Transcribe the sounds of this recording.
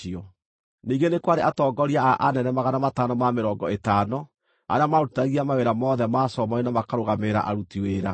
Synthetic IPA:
iɔ | niːɡenekwaɾeʔatɔːɡɔɾiaʔanɛnɛmaɣanamatanɔmameɾɔːɡɔetaːnɔ | a̰ɾeamautaɣiamaweɾamɔðɛmasɔmaenamakaɾoɣameɾa̰ʔaɾutiweːɾa

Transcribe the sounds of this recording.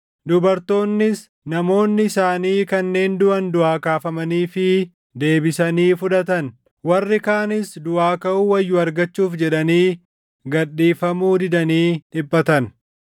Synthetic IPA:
d̪ʊbɐɾt̪o̞ːnːɪs | nɐmo̞ːnːɪɪsaːniːkɐnːe̞ːnd̪ʊʔɐnd̪ʊaːkaːfɐmɐniːfɪ | d̪e̞ːbɪsɐniːfʊᶑɐt̪ɐn | wɐrːɪkaːnɪsd̪ʊaːkɐʔuːwɐjːʊɐɾɡɐt͡ʃːuːfd͡ʒɛᶑɐniː | ɡɐɗːiːfɐmuːd̪ɪd̪ɐniːᶑɪbːɐt̪ɐn

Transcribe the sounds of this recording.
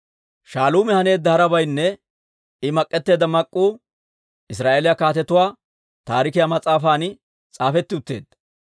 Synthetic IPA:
ʃaːluːmɛhɐne̞ːd̪ːɐhɐɾɐbɐjnːɛ | ɪmɐkʼːɛt̪ːe̞ːd̪ɐmɐkʼːuː | ʔɪs̬ɾaːʔeːlɪjakaːt̪ɛt̪ʊwaː | t̪aːɾɪkɪjamɐt͡sʼaːfaːn | t͡sʼaːfɛt̪ːɪʊt̪ːe̞̰ːd̪ɐ

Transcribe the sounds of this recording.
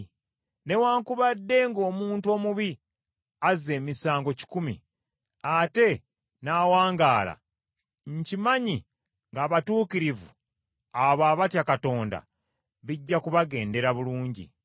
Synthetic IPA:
ne̞waːŋkuβadːe̞ŋɡo̞ːmuːntuo̞ːmuβi | aze̞ːmisaːŋɡo̞ci̥kumḭ | ate̞ | naːwaːŋɡaːla̰ | ɲcimaɲi | ŋɡaːβatuːkiɾivṵ | aβaːβatjakato̞ːnda̰ | βiɟːakuβaɡe̞ːnde̞ɾaβuluːɲɟḭ

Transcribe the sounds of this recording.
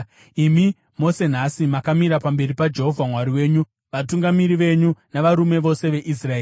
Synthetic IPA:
imi | mo̞se̞n̤asimakamiɾapambe̞ɾipad͡ʒe̞ɦo̞vʱamwaɾiwe̞ːɲu | ʋatuŋɡamiɾiʋe̞ɲunaʋaɾume̞ʋo̞se̞ʋe̞ʔis̬raeːi

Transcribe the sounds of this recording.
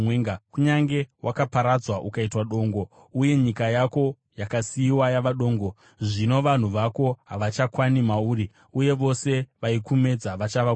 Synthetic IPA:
eŋɡakuɲaŋɡe̞wʔakapaɾad͡zwaʔukaitwaɗo̞ːŋɡo̞ | uje̞ɲikajako̞ | jakasiwajaʋaɗo̞ːŋɡo | ʐino̞ʋan̤uʋako̞ɦaʋat͡ʃakwanimauri | uje̞ʋo̞se̞ʋaikume̞d͡zaʋat͡ʃaʋa

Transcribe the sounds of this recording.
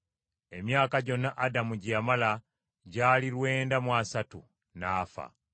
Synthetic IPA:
e̞mjaːkaɟo̞nːaʔadamuɟiamala | ɟaːliɾwe̞ːndamwasatu | naːfa̰

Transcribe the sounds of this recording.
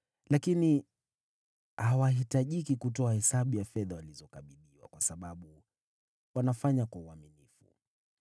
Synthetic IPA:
lakini | hawaɦitaʄikikut̬ɔahɛsaɓujafɛðawalizɔkaɓiɗiwa̰kwasaɓaɓu | wanafaɲakwauaminifṵ

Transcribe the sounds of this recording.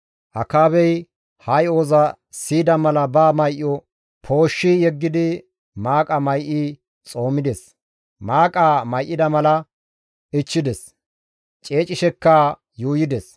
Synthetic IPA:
hɐkaːβɛj | hɐjo̞ːzɐ | siːd̪ɐmɐlɐbaːmɐjʔːɔ | pʰo̞ːʃːɪjɛɡːɪd̪ɪ | maːkʼɐmɐjʔɪ | t͡sʼo̞ːmɪd̪ɛs | maːkʼaːmɐjʔːɪd̪ɐmɐlɐ | ɪt͡ʃːɪd̪ɛs | t͡ʃʼe̞ːt͡ʃʼːɪʃɛkːa | juːjɪd̪ɛs

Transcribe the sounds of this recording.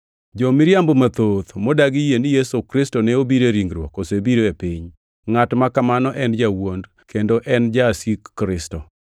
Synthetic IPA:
d͡ʒomɪɾjambomat̪ot̪modaɡɪjenijɛsokɾɪstonɛobiɾeɾiŋɡɾwɔkosebiɾoepiɲ | ŋatmakamanɔʔɛnd͡ʒawond | kʰendoʔɛnd͡ʒasikːɾɪstɔ

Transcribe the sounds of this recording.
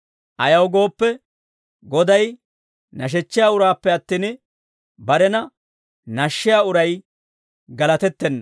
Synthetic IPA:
ʔɐjɐwɡo̞ːpːɛ | ɡɔd̪ɐj | nɐʃ̬ɛt͡ʃːɪjaːʊɾaːpːɛɐt̪ːiːn | bɐɾɛnɐ | nɐʃːɪjaːʊɾɐj | ɡɐlɐt̪ɛt̪ːɛnːɐ

